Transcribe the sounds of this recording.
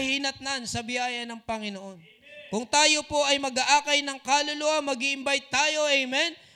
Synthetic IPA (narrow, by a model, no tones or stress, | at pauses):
hiːnɐt̪̚nɐansɐbɪjaːjɐnɐŋpɐŋɪnoʔo̞n | kʊŋt̪aːjo̞po̞ʔɐjmɐɡaʔaːkɐjnɐŋkaːlʊluʔɐmːɐɡiʔɪmbajt̪ːaːjo̞ʔɛjmɛn